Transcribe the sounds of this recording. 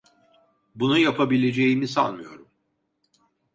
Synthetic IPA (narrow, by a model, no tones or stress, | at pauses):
bunujapʰabilʲe̞d͡ʒe̞jimisa̰lˠmɯjo̞̰ɾum